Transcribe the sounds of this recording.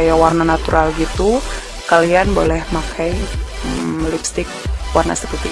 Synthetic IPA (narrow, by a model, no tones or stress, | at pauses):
ajawarnanat̪uɾʔalɡit̪u | kalianbolɛhmakʰaj | lipst̪ɪk̚warna̰səpərt̪i